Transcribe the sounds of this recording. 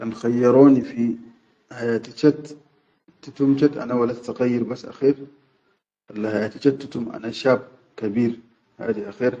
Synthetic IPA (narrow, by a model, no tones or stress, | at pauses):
kanxajːɑɾˤoːnifi | hajaːt̪it͡ʃat̪ː | it̪umt͡ʃat̪ʔa̰nawalːat̪t̪aqajːiɾbasːʔa̰xiːɾ | ʔalːahajaːt̪it͡ʃat̪ːut̪umʔa̰naʃaːb̚ | kabiːɾ | ha̰ːd̪iʔaxiːɾ